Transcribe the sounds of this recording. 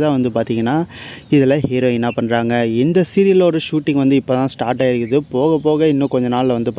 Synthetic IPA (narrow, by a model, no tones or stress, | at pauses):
t̪ãːʋɐnd̪ɯpaːɾt̪iːŋɡɐnːaːɪðɯlɐɦiːɾoːɪnːaːpɐɳɾaːŋɡɐɛnd̪ɐsɪɾɪlɔɾɯʂuːʈːɪŋɡʋɐnd̪ɯɪpːoːt̪ãːsʈaːɾʈaːɪɾɯkːɯðɯpoːɣɐpːoːɣɐɪnːʊ̃kɔɲd͡ʒɐnaːllɐʋɐnd̪ɯpː